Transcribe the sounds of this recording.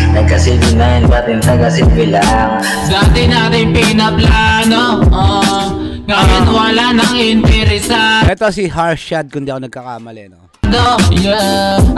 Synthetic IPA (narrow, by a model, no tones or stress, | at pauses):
nɐɡ̚kɐsit̪ɪnajɪnpɐt̪ɪnt̪ɐɡɐsɛbɪlaŋ | d̪aːt̪ɪnaːt̪ɪŋpinɐplanoʔo | ŋɐjɪnwɐlanɐŋhnt̪ɛɾɛsaʔɛt̪osiɦaɹʃad̪̚kʊnd̪iʔɐkonɐɡ̚kɐkamɐlɛno | d̪o